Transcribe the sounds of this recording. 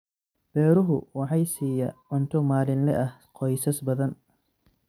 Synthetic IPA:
b̥ɛːɾʊɦʊwɑħɑjsiːjɐ̰ʕʊnt̪ʰʊmaːlɪnlɛ̰ʔɐhqɔjsɐsbɐðɐn

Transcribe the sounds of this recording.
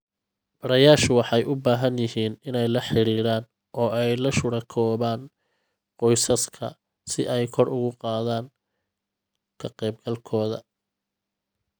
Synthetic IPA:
b̥ɐɾɐjaːʃʊwɑħɑjʊbaːɦɐnjɪɦiːnɪnɛjlɐħɪɾiːɾaːn | ʔɔːɛjlɐʃʊɽɐkʰɔːβaːn | qɔjsɐskʰɐ̰ | sɪʔɛjkʰɔrʊɣʊqɑːðaːŋ | kʰɐqɛːb̚ɡɐlkʰɔːðɐ̰

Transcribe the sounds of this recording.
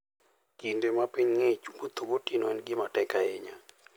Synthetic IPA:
kindemapiɲŋet͡ʃmot̪obotinɔɛnɡɪmatɛkaeɲa

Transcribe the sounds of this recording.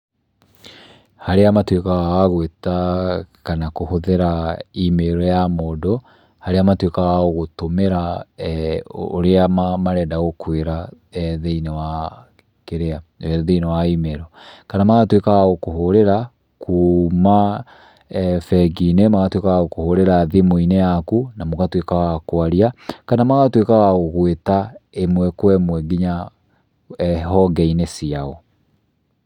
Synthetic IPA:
haɾeamatwekaɣawaɣwetakanakohoðeɾaimeɾɔjamɔdɔ | haɾeamatwekaɣaoɣotomeɾa | o̰ɾeamamaɾɛːdaɣokweɾa | ɛðeinewa | keɾeaðeinewaimeɾɔkanamaɣatwekaɣaɣokoɦoɾeɾa | kʰuma | fɛɡinemaɣatwekaɣaɣokohoɾeɾaðimoinejakunamoɣatwekaɣakoaɾiakanamaɣatwekaɣaɣoɣwetaemwɛkwɛmwɛɡiɲa | ɦɔɡɛinesiaɣɔ

